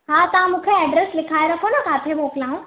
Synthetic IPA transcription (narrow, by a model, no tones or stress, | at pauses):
ɦaːt̪ɐɦãmũːkʰeɛːɖɾeslɪkʰaːeɾɐkʰonokaːt̪ʰemoːklaːũ